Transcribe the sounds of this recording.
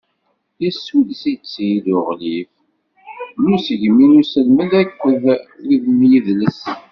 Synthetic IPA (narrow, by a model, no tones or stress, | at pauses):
jəsulsit͡sːijidʊʁlif | musʝminusəlməlækʷːəðwiðmjiðləs